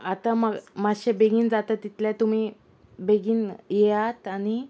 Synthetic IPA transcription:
at̪amamaɕebeɡiːnd͡zat̪at̪ːit̪ljãt̪um̤iː | beɡiːnjɛat̪añi

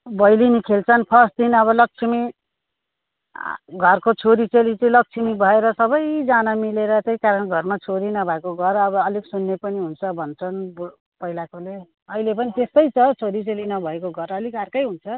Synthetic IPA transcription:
bʌjlinikʰelt͡sʰʌnpʰʌs̚d̪ʱinʌβʌlʌk̚t͡sʰimi | ɡʱʌrkot͡sʰoɾit͡selit͡sʌlʌk̚t͡sʰimibʱʌeɾʌsʌbʌjd͡zanamileɾʌt̪ejkaɾʌnɡʱʌrmat͡sʰoɾinʌbʱaekoɡʱʌrʌbʌːliksunːepʌniɦunt͡sʰʌbʱʌnt͡sʰʌnb | pʌɦilakole | ʌilepʌnit̪est̪ʌjt͡sʰʌt͡sʰoɾit͡selinʌbʱʌekoɡʱʌɾʌlikarkʌjɦunt͡sʰʌ

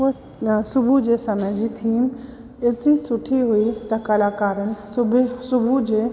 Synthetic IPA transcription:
o | sʊbʱud͡ʒesɐməd͡ʒit̪ʰiːm | et̪ɾisʊʈʰiɦuit̪ɐkɐlaːkaːɾənɪ̆bsʊbʱud͡ʒeː

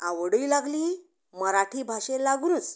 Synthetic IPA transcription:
aʋəɽuilaɡli | məɾaʈʰiːbʱaɕelaɡuːnət͡s

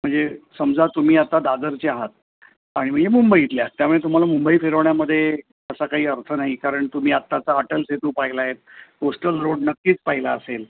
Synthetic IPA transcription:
m̤əɳd͡zesəmd͡zat̪um̤iːat̪ad̪ad̪əɾt͡ɕeaɦat̪̚ | aɽ̃im̤əɳd͡zemumbəiit̪ljat̪ːjamuɭet̪um̤alamumbəiːfeɾəʋɳjaməd̪ʱːje | əsakaɦiːəɾt̪ʰənaɦikaɾəɳt̪um̤iːat̪ːat͡saəʈəlset̪uːpaɦilaːɦet̪̚posʈəlɾoɽnəkːiːt͡spaɦilaəsel

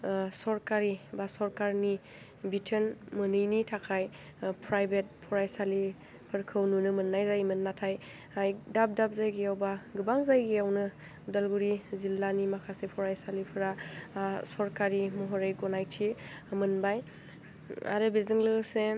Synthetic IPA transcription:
sɔɾkaɾibasɔɾkaɾni | bitʰenmɯnɯjnitʰakʰaj | pʰɾajbet̚pʰɔɾajsali | pʰɯɾkʰɯwnunɯmɯnːajzajmɯnːatʰaj | ajdap̚dap̚zajɡiawbaɡɯbaŋzajɡiawnɯ | udalɡuɾizilanimakʰasepʰɔɾajsalipʰɯɾa | sɔɾkaɾimɔɦɔɾejɡɔnajtʰimɯnbaj | a̰ɾɯbezɯŋlɯse

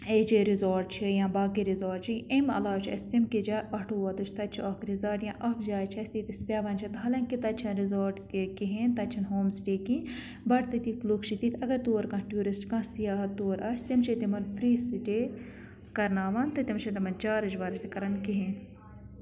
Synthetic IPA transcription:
et͡ʃiɾizoːɾʈ̚t͡ʃʰijãːbaːkiɾizoːɾɖt͡ʃʰiʔemɐ̰laːt͡ʃʰɐ̰st̪imkid͡ʒaːʔɐʈʰoːʋɐt̪ut͡ʃʰt̪ɐt͡ʃʰiɐkɾizaːɾʈjãːʔɐkd͡ʒaːjt͡ʃʰɐsʲt̪it̪ispʲaːʋɐːnt͡ʃʰit̪ɦɐlɐ̃ŋkit̪ɐt͡ʃʰɐnɾizoːɾʈkiɦẽːnt̪ɐt͡ʃʰɐnɦoːmsiʈiːkĩ | bɐʈt̪ɨt̪iklukt͡ʃʰit̪it̪ʰɐɡɐɾt̪oːɾkɐ̃ʈʲjuːɾisʈkãsijaːɦɐt̪ːoːɾʔɐst̪imt͡ʃʰit̪imɐnpʰɾiːsiʈe | kɐɾnaːʋaːnt̪ɨt̪imt͡ʃʰit̪ɐmɐnt͡ʃaːɾɐd͡ʒʋaːɾɐt̪ʰikɐɾɐnkiɦeːn

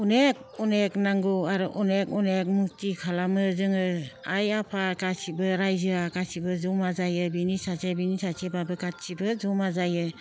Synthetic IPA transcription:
unek̚ɔneknaŋɡuaɾɔʔɔnek̚ɔnek̚muk̚tikʰalamɯzɯŋɯajapʰakasibɯɾajzɯakasibɯzɔmazajɯbinisazebinisasebabɯɡatsibɯzɔmazajɯ

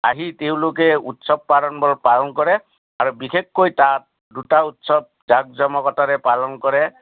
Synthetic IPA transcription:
aɦiteʊ̃lokɛutsɔb̚pːaɾɔnbɔlpalɔnkɔɹɛ | aɹubixekːojtat̚ | dutautsɔb̚ | zaɡ̚zɔmɔkɔtaɾɛpalɔnkɔɹɛ

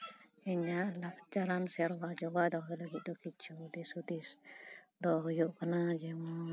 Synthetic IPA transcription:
iɲaʔlakt͡ʃaɾansaɾwad͡ʒɔwad̪ɔɦjulaɡiʔ̚t̪ɔkit͡ʃud̪isud̪is | d̪ɔɦjuʔkənad͡ʒɛwa

